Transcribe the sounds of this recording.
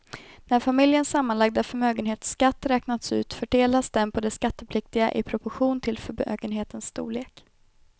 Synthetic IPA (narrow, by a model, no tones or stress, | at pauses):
næɾfamɪljənsamːanlaɡ̚d̪afœɾmøːɡənɦeːt̪skat̪ːɾɛːknat̪sʉ̟ːt̪fœʈeːlasd̪ɛmpʰɔd̪ɛskat̪ːəpʰlɪk̚t̪ɪɡa̰ʔɪ̰pʰɾʊpɔɧuːnt̪ʰɪlfœɾmø̰ːɡənɦeːt̪ənsːt̪ṵːɭeːk